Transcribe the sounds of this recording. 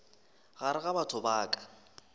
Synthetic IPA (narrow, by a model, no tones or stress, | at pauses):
ɣaɾɪɣabatʰʊbaːkʼḁ